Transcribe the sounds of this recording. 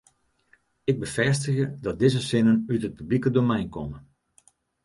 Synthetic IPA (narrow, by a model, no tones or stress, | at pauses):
ɪɡ̚bəfɛstəɣədɔt̚dɪzəsɪnənytət̚pyblikədomɛjnkɔmə